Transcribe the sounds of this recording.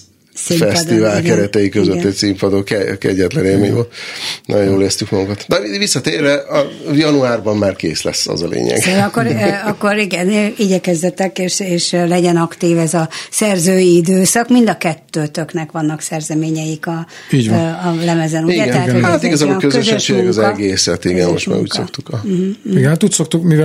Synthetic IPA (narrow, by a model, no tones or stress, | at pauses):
simfɛsdt̪ivaːlkɛɾɛt̪ɛjikøzøt̪ːɛcsimpɒd̪oːkɛkɛ̰ɟːɛt̪lɛneːmḛo̰no̰joːleːst̪ykmɒɡuŋkɒt̪d̪ɛivisːɒt̪eːrːɛʔɒjɒnuaːrbɒmːaːrkḛːslɛ̰sːɒ̰zɒlḛːɲɛ̰ɡɒkːoɾɒkːo̞ɾiɡɛniɟɛkɛzd̪ɛt̪ɛkeːʃeːʃlɛɟɛnɒkt̪iːvɛzɒsɛrzøːjiid̪øːsɒkmind̪ɒkɛt̪ːøːt̪øknɛkʋɒnːɒksɛrzɛmeːɲɛjikɒ | iːɟɒlɛmɛzɛnuiɛtɡɛnɛat̪oat̪iɡɒzabokøzøɛʃːeːɡnɛkɒzɛɡeːsɛt̪iɡɛ̰nmoʃtma̰ːɾṵːcsokt̪ukɒiɡɛnhat̪uːcsok̚t̪ukmiv